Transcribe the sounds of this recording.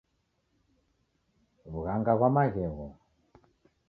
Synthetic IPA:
βuɣaŋɡaβwamaɣɛɣɔ

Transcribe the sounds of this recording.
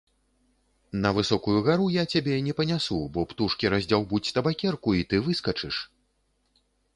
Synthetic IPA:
nɐvɨsɔkujuɣaɾujat͡sʲabʲɛinʲɛpɐnʲasubɔpt̪uʂkʲiɾazʲd͡zʲawbut͡sʲt̪ɐbakʲɛrkuit̪ɨvɨskɐt͡ʂɨʂ

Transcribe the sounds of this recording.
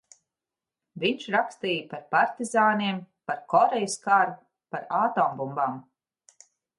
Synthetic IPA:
viɲt͡ʃɾakst̪iːjpaɾpaɾt̪izaːniɛmpaɾkɔɾejuskaɾu | paɾaːt̪ɔːmbumbam

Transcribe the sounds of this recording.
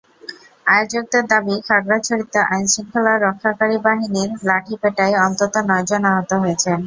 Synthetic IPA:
ajod͡ʑoɡ̚d̪eɾd̪abikʰaɡɾat͡ɕʰoɾit̪ːoʔajnʃiŋkʰolaɾːɔkʰːakaɾibaɦiniɾlaʈʰipeʈaejɔnt̪ot̪onɔjd͡ʑonaɦot̪oɦojet͡ɕʰen

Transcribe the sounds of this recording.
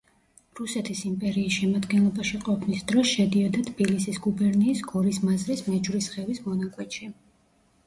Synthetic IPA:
ɾusɛt̪ʰisimpʼɛɾiːsʃɛmad̪ɡɛnlˠɔbaʃiqʼɔpʰnisd̪ɾɔsʃɛd̪iɔd̪at̪ʰbilisisɡubɛɾniːsɡɔɾismazɾismɛd͡ʒvɾisχɛvismɔnakʼwɛt̪ʃʰi

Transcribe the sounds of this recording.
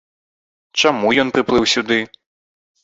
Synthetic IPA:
t͡ʂamujɔnpɾɨplˠɨwsʲud̪ɨ

